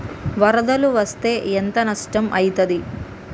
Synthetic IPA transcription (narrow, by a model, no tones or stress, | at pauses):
ʋɐɾɐd̪ɐluʋɐst̪e̞ːent̪ɐnɐʂʈɐmʔɐjit̪ɐd̪i